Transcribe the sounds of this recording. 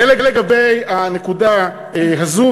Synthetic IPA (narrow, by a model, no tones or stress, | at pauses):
eleɡaleɡabejane̞kuda | eɦazu